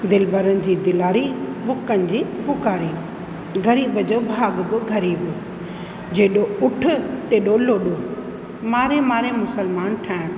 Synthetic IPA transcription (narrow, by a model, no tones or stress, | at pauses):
d̪ɪlbəɾənɪ̆d͡ʑiːd̪ɪlaːɾibʊkənɪ̆d͡ʑiːbʊkaːɾi | ɡɐɾiːbəd͡ʑoːbʱaːɡbɪɡɐɾiːbʊ | d͡ʑeːɗoʊʈʰʊ̆t̪eːɗoloːɗoː | maːɾemaːɾemʊsəlmaːnʈʰaːn